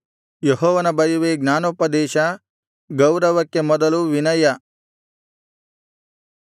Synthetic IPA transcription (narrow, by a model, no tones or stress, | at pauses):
jeɦɔːʋɐnɐbɐjuʋeːɡnaːnuːpɐd̪ɛːʃɐ | ɡɐwɾɐʋɐkːemɔd̪ɐluʋinɐjɐ